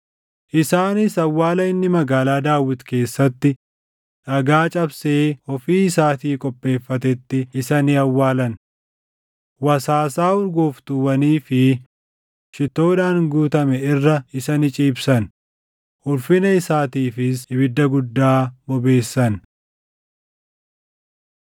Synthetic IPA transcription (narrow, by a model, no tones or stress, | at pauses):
ʔɪsaːnɪsɐwːaːlɐɪnːɪmɐɡaːlaːd̪aːwːɪt̪ke̞ːsːɐt̪ːɪ | ʔɐɡaːt͡ʃʼɐbseːɔfiːɪsaːt̪iːkʼɔpʼːe̞ːfːɐt̪̬ɛt̪ːɪɪsɐnɪɐwːaːlɐn | wɐsaːsaːʊɾɡoːft̪ʊwɐniːfɪ | ʃɪt̪ːo̞ːᶑaːŋɡuːt̪ɐmɛɪrːɐɪsɐnɪt͡ʃʼiːbsɐn | ʔʊlfɪnɐɪsaːt̪iːfɪsɪbɪd̪ːɐɡʊd̪ːaːbɔbe̞ːsːɐn